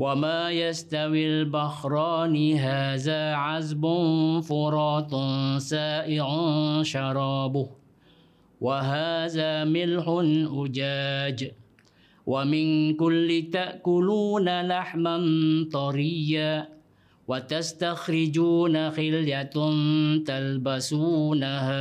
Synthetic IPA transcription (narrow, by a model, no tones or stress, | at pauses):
wamaːjast̪awilbaxɾˤɑːnɪɦaːðaːʕazbʊnfʊɾˤɑːt̪ˤsaːʔɪʕʊʃɑɾˤɑːbʊh | waɦaːðaːmɪlħʊnʔʊd͡ʒaːd͡ʒ | wʔamɪnkʊlːɪt̪aʔkʊluːnalaħmant̪ˤɑɾɪjːaː | wat̪ast̪axɾɪd͡ʒuːnaxɪljant̪albasuːnaha